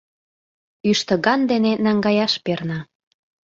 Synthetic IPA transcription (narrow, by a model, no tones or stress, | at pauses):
yʃt̪ə̆ɡɑnd̪enenɑŋɡɑjɑʃpernɑ